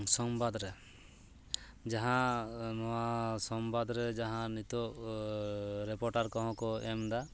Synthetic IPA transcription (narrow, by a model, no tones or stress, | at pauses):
sɔmbad̪ɾɛ | d͡ʒaɦãnɔwasɔmbad̪ɾɛd͡ʒaɦãnit̪ɔ | ɾɛpɔɾʈaɾkɔɦɔ̃kɔɛmd̪a